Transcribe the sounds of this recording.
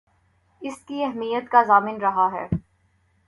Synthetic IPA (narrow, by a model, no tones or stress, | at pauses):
ɪskiɛɦmijət̪kazaːmɪnɾɐɦaɦɛ̰ː